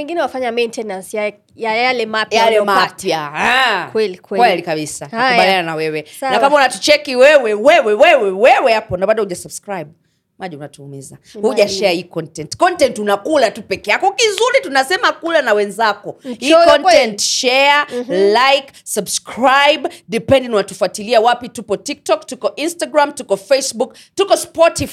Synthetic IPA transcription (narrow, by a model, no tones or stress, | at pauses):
ɛŋɡinɛwafaɲamɛntɛnasja | jajjalɛmapjalɛmapjahakwɛlikwɛkwɛlikaɓisaabalananawɛwɛnakamaunatu̥t͡ʃɛkiwɛwɛwɛwɛwɛwɛwɛwɛhapɔnaɓaɗahuʄasubskɾajb̚ | maʄɛunatuumizahuʄaʃɛaikɔntɛntkɔntɛntunakulatupɛkɛjakɔkizuɾitunasɛmakulanawɛnzakɔikɔntɛntʃɛalajksabskʰɹajbdipɛndiŋwɔnatufuatiliawapitupɔtik̚tɔktukɔʔinstaɡɾamtukɔfesbuk | tukɔspɔtif